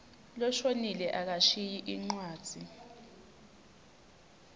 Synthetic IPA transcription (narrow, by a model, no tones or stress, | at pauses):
lɔʃonilɛʔak̬aʃijiʔiŋ͡ǀwaːd̥ʱi